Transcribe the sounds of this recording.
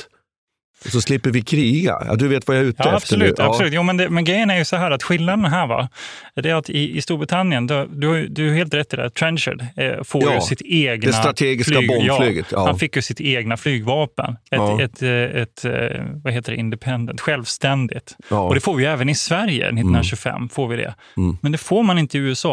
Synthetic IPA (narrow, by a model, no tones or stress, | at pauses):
sɔslɪpːəɾvɪkʰɾiːɡa̰d̪ɵveːt̪vajaʉ̟ːt̪ːafb̥sɔlʉːasɔlʉ̟ːt̪juːmɛnd̪ɛmɛnɡɾɛjːənæɾjɵsɔɦæːɾat̪ɧɪlnad̪ənɦæːɾva̰d̪ɛæɾat̪ɪɪ̰st̪uːɾbɾɪt̪ʰanːjənd̪ɔd̪ɵhaj̰d̪ɵaheːlt̪ɾɛt̪ːɪd̪ɛ̰t̪ʰɾɛnʃə̰ɖfoːjɵsɪt̪eːɡnɛaɾat̪ʰeːɡɪflːɡjɑːlyːɡət̪ːhanfɪkːjɵsɪt̪eːɡnaflyːɡvɑːpə̰nɛt̪ɛt̪ɛt̪vaɦeːt̪əɖɛɪnd̪ɛpʰɛnd̪ə̰nt̪ɧɛlvst̪ɛnd̪ɪt̪ɔd̪ɛfoːɾvɪjɛːvənɪsvæɾjə̰nɪt̪ːnɕʉɡfɛ̰mːfoːɾvɪd̪ɛ̰ | mɛnd̪ɛfoːɾmanɪnt̪əɪʉ̟ːɛsɑː